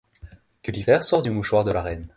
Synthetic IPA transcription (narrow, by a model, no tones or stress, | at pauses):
kəlivɛʁsɔʁd̪ymuʃwaʁd̪əlaʁɛn